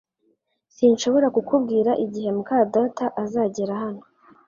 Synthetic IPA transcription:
sinʃo̞βo̞ɾakukub̚ɡiːɾaʔiɟihe̞mukaːdaːtaʔazaːɟeɾahano̥

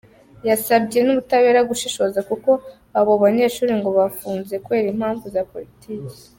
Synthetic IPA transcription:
jasabɟe̞nuβutaβe̞ːɾaɡuʃiʃo̞zakuko̞ | aβoβaɲe̞ːʃuːɾiŋɡo̞βafuːnze̞kuβe̞ːɾimhaːɱvuzapo̞ɾitʰiːke̥

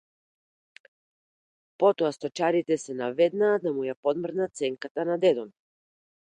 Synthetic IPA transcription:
pɔt̪ɔast̪ɔt͡ʃaɾit̪ɛsɛnavɛd̪nad̪amujapɔd̪mr̩nat̪sɛŋkat̪anad̪ɛd̪ɔn

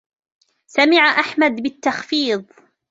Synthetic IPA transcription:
samɪʕaʔaħmad̪bɪt̪ːɑxfiːðˤ

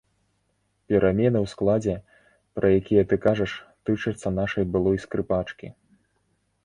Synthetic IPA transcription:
pʲɛɾʔamʲɛnɨwsklˠad͡zʲɛ | pɾʔɐjakʲijɛt̪ɨkaʐɐʂt̪ɨt͡ʂɐt̪sːɐnaʂɐjbɨlˠɔjskɾɨpat͡ʂkʲḭ

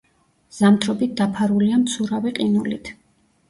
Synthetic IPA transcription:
z̥amt̪ʰɾɔbit̪̚d̪apʰaɾuliamt̪sʰuɾaviqʼinulit̪ʰ

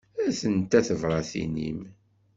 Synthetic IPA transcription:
æθənt̪æθəvɾˤɑθḭnḭm

